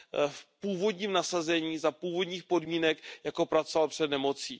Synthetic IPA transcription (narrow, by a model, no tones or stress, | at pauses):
fpuːvo̞dɲiːmnasazɛɲiːzapuːvo̞dɲiːxpo̞dmiːnɛkjako̞pɾat͡sovalpr̝̥ɛdnɛmo̞t͡siː